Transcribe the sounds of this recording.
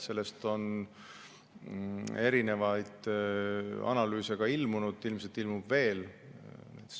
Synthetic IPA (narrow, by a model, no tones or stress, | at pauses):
se̞lːe̞st̪o̞n | e̞ɾine̞vɑjd̪̥ | ɑ̰nɑlyːse̞ɡ̥ɑilmunud̪̥ilms̬elt̪ilmub̥ve̞ːl | nḛt̪